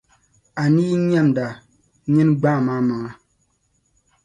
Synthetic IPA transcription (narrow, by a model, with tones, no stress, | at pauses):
a˨niː˦ɲɛ˦˨mda˨ | ɲɛ˦nɡ͡ba˦˨maː˦ma˨ŋa˨